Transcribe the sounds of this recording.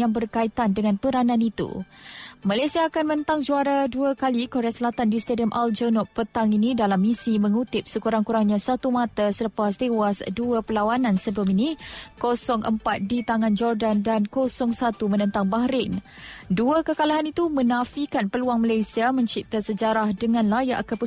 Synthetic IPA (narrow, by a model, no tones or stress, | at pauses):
aŋbərkait̪andəŋãnpəɾanãnit̪ṵ | malasiaːkanmənət̪aŋd͡ʒuaɾaduakalikoɾeasəlat̪andist̪adiəmʔald͡ʒənɔp̚pːət̪aŋinĩdalamːisimə̃ŋut̪ɪp̚səkuɾaŋkuɾaŋɲãsat̪umat̪asələpast̪ewasduapəlawanãnsəbəluminĩkosɔŋʔə̰mpat̪̚dit̪aŋãnd͡ʒɔrdandankosɔŋsat̪umənə̃nt̪aŋbaɦɾɪn | duəkəkalaɦanit̪umə̃nãfikanpəluaŋmalajsiamə̃ɲt͡ʃip̚t̪asəd͡ʒaɾahdəŋãnlaja̰ʔkəpu